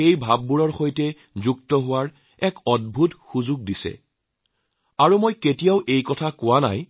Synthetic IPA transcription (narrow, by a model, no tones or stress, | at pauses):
ejbʱab̚ːuɹɔɹxojtɛ | zuktɔɦʊwaɹ | ɛkɔd̚bʱutxuzʊɡ̚disɛ̰ | aɹumojketijaʊʔejkɔtʰakʊwana̰j